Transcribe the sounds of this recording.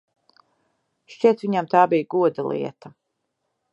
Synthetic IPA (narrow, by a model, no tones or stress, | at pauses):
ʃt͡ʃiɛt̪viɲamt̪aːbijɡuɔd̪alˠḭɛt̪a